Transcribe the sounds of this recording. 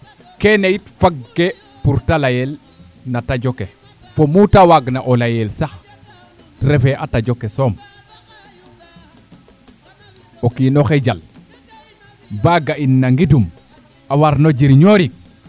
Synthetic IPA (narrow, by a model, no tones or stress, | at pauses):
kenejitfaɡːe | puɾtalajel | natad͡ʒoke | fomutawaɡnaʔolajelsax | tɾefeʔatad͡ʒokesom | okiːnoxed͡ʒal | baɡainːaŋɡidum | awaɾnod͡ʒiɾɲoɾik̚